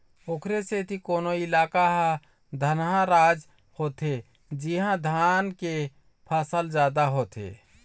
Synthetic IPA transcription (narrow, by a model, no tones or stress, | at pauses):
oːkʰɾeset̪ikoːnoɪlaːkaɦã | d̪ʱənɦãɾaːd͡ʒ | hoːt̪e | d͡ʒiɦãd̪ʱanke | pʰəsəld͡ʒaːd̪aɦoːt̪ḛ